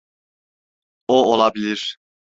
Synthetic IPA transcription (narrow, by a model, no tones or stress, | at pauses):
oolˠabilʲiɾ̥